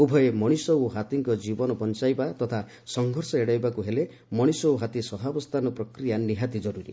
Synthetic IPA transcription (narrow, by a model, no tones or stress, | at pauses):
ubʱɔemɔɽ̃isɔwɦat̪iŋkɔd͡ʒibɔnɔpɔnt͡ʃajbat̪ɔt̪ʰa | sɔŋɡʱɔɾsɔeɽajbakuɦele | mɔɽ̃isɔwɦat̪isɔɦabɔst̪ʰanɔpɾɔkɾijaniɦat̪id͡ʒɔɾuɾḭ